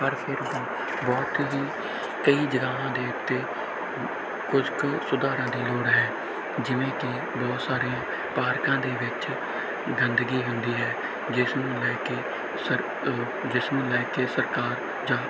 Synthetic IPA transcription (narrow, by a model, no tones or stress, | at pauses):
pəɾpʰɪɾbː | bɔːt̪ɦiː | kəiːd͡ʒəɡaːɦãːd̪eːʊt̪ːeː | kʊd͡ʒksʊd̪aːɾãːd̪iːloːɽɦɛː | d͡ʒɪʋẽːkɪ | bɔːt̪saːɾejãː | paːɾkãːd̪eːʋɪt͡ʃ | ɡənd̪əɡiːɦʊnd̪iːɦɛː | d͡ʒɪsnũːlɛːkeː | səɾ | d͡ʒɪsnũːlɛːkeːsəɾkaːɾ | d͡ʒãː